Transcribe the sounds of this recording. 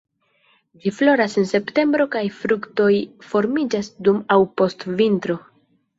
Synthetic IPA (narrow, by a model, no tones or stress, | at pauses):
d͡ʒiflo̞ɾasense̞pte̞mbɾo̞kajfɾukto̞jfo̞ɾmid͡ʒasdumawpo̞stvintɾo̞